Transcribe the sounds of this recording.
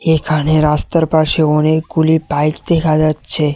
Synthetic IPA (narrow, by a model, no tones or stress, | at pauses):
ekʰaneɾast̪əɾpaɕeonekulipajt͡st̪ekʰad͡zətt͡ʃʰe